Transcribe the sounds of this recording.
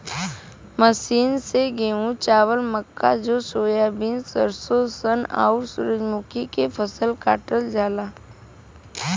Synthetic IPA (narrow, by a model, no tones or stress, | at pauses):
məsiːnseɡeũt͡ʃaːʋəlməkːad͡ʒosoːjabɪnsəɾsosəna̰ːʊɾsʊɾəd͡ʒmʊkikefʰəsəlkaːʈəld͡ʒaːlaː